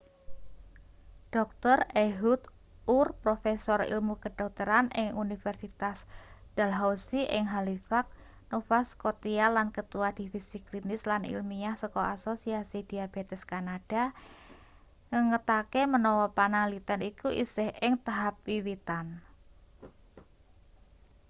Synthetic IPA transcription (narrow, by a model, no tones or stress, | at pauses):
ɖ̥ɔk̚t̪ɔreɦut̪ | urpɾofesɔɾḭlmukəd̥ɔk̚t̪əɾanɪ̰ŋunifɛrsit̪asd̪̥alɦasiʔɪ̰ŋɦalifak̚ | nofaskot̪ialankət̪uwad̪̥ifisiklinɪslanḭlmiahsɔkɔasosiasid̥iab̥et̪ɛskanad̥a | ŋəŋət̪akemənɔwɔpanaŋlit̪anikuʔḭsɪhɪŋt̪aɦap̚wiwit̪an